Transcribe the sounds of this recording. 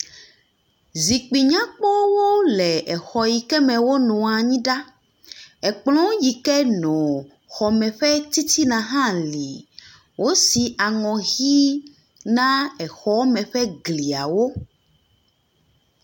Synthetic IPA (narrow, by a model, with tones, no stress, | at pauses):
zi˨k͡pi˨ɲã˦k͡pɔ˦wo˦lɛ˨ɛ˨xɔ˨ji˨kɛ˦mɛ̃˨wo˦nɔ̃˨a˨ɲĩ˦ɖa˦ | ɛ˨k͡plɔ̃˦ji˨kɛ˦nɔ̃˨ | xɔ˨mɛ̃˨ɸɛ˦t̪i˦t̪i˦nã˨ɦã˦li˨ | wʔo˦si˨a˨ŋɔ̃˨ɣi˦ | nã˦ɛ˨xɔ˨˦mɛ̃˨ɸɛ˦ɡli˨a̰˨wo˦